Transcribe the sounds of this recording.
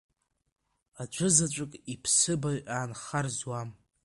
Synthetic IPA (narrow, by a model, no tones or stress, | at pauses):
ad͡ʒʷʰʊzat͡ʃʷʼɨkʼipʰsɨbaɥʔaːnχarzwam